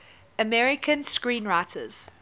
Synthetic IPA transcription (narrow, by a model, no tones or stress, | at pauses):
əmɛɹɪkʰə̃nskɹĩːnɹaɪtʰə̰z̥